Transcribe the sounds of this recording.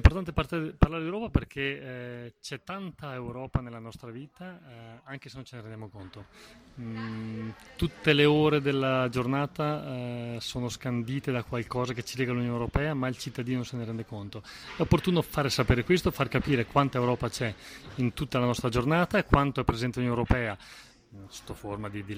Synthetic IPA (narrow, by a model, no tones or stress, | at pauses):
ɛimpoɾrt̪ant̪̬eparlaɾed̪ewɾɔːpaperkʰe | t͡ʃɛt̪ːant̪aewɾɔːpanelːanɔst̪ɾaviːt̪aaŋkesenont͡ʃeneɾend̪jamokont̪o | t̪ut̪ːeleoːɾed̪elːad͡ʒornaːt̪a | soːnoskand̪iːt̪ed̪akwalkɔːzaket͡ʃːilɛːɡalunjoːnewɾopɛːamailt͡ʃit̪ːad̪iːnonoseneɾɛnd̪ekont̪oɛopːort̪uːnofaːɾesapeːɾekwest̪ofarkapiːɾekwant̪aewɾɔːpat͡ʃɛint̪ut̪ːalanɔst̪ɾad͡ʒornaːt̪aekwant̪oɛpːɾezɛnt̪elunoɛwɾopɛːa | so̥t̪ːoformad̪id̪i